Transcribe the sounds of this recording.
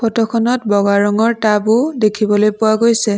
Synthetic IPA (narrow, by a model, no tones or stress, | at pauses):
pʰɔtɔkʰɔnɔtbɔɡaɹɔŋɔɹtabʊdekʰibɔlojpʊwaɡojsɛ